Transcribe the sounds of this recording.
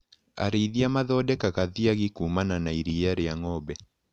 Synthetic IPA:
a̰ɾiðiamaðɔdɛkakaðiaɣikumananaiɾiaɾeaŋɔbɛ

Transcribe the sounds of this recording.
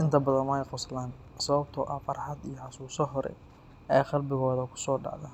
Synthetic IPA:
ʔɪnt̪ʰɐbɐðɐnmɐɛjqʊslaːn | sɐβɐbt̪ʰɔʔɐfɐɾħɑd̪ijɔħɑsuːsɔɦɔɾɛ̰ | ɛjqɑlbɪɣɔːðɐkʰʊ̥sɔːɖɑ̰ʕða̰ː

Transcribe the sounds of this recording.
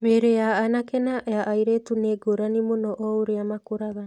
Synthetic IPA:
meːɾejaːnakɛnajaʔːiɾetuneɡoɾanimonɔʔɔoɾeamakoɾaɣa

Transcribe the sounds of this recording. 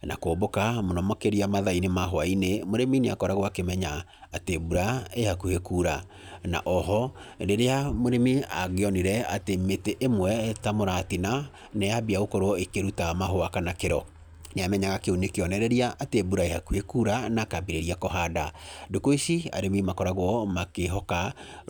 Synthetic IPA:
na̰koːbokamonɔmɔkeɾiamaðainemaɦoainemoɾemineakɔɾaɣwakemɛɲaː | tebuɾaehakuhekuːɾa | na̰ʔɔɦɔndeɾeamoɾemia̰ɣeɔniɾɛatemeteʔemwɛtamoɾaːtina | neabiaɣokoɾoekeɾutamaɦoakanakeɾɔ | neamɛɲaɣakeunekeɔnɛɾɛɾiaʔatebuɾaehakuhekuɾanakabiɾeɾiakɔɦadadokoisia̰ɾemimakɔɾaɣwɔmakeɦɔka

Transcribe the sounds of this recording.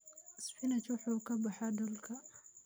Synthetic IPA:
sħinat͡ʃuːħukabaħad̪ulka

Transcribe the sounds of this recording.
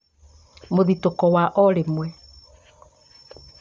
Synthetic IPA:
moðitokɔwaʔɔɾemwɛ

